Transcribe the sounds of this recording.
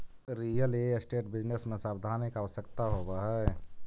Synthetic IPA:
ɾijəleesʈeʈbid͡ʒnesmesabd̪ʱanikaʋəsjəkt̪aɦobəɦɛ

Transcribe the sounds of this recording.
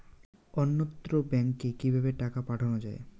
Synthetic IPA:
ɔnːot̪ːɾobɛŋkːekibʱabeʈakapaʈʰɔnɔd͡ʒae

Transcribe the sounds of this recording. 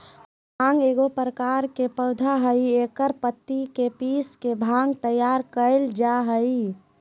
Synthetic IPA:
bʱãŋɡeːɡopɾəkaɾkepəʊd̪ʱaɦəieːkəɾpət̪ːikepiːskebʱãŋɡt̪əjaːɾkəɪld͡ʒaɦəi

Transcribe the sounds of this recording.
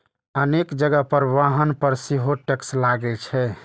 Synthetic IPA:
ənekd͡ʒəɡəpəɾʋaɦənpəɾsiɦoʈekslaɡɛlt͡ʃʰɛ

